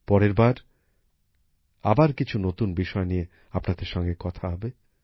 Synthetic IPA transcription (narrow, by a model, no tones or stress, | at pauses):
pɔɾeɾbaɾ | abaɾkit͡ɕʰunot̪unbiʃɔenie | apnad̪eɾʃɔŋɡekɔt̪ʰaɦɔbe